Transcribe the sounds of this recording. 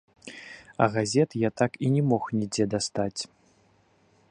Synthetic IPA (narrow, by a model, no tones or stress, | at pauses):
ɐ̰ɣazʲɛt̪jat̪akinʲɛmɔxnʲid͡zʲɛd̪ast̪at͡sʲ